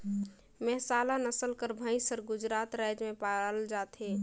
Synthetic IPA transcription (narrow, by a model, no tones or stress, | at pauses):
mɛɦsaːlanəsəlkəɾbʱə̃ĩsəɾɡʊd͡ʒɾaːt̪ɾajd͡ʒmẽpaəld͡ʒaːt̪ɦe